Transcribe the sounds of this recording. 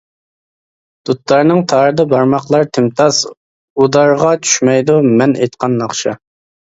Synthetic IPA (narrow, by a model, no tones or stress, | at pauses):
d̪̥ut̪lˠɑɾnɨŋt̪ʰɑɾɨd̪ɑbɑɾmɑqlˠɑɾt̪ʰɪmt̪ʰɑs | ud̪ɑɾʁɑt͡ʃʰy̥ʃmɛjd̪umɛnejt̪qʰɑnːɑχʃɑ